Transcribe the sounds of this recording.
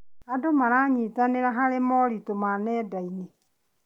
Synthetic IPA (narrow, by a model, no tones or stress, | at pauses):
adomaɾaɲitaneɾaɦaɾemɔɾitomanɛːdaine